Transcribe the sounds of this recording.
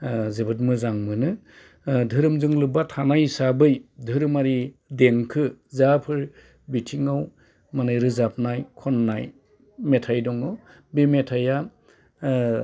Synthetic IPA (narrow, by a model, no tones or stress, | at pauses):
zebɯt̬̚mɯzaŋmɯnɯ | dʱɯɾɯmzɯŋlɯbatʰanajsabɯjdʱɯɾɯmaɾideŋkʰɯzapʰɯɾ | bitʰiŋaw | manɯjɾɯzap̚najkʰɔnːaj | metʰajdɔŋɯ | bemetʰaja